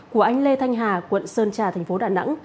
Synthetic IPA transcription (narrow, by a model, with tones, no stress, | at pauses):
ku˧˩əʔa˧jŋ̟le˧t̪ʰa˧jŋ̟ɦaː˨˩kwə̰˧˨nsəː˧nt͡ɕaː˨˩t̪ʰɛ˨˩ŋ̟fo˨˦ɗaː˨˩na̰˧˥ŋ